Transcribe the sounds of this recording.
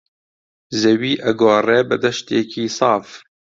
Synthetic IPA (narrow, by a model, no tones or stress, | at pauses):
zɛwiːʔɛɡoːrɛːbɨd̪ɐʃt̪jekʰiːsɑːf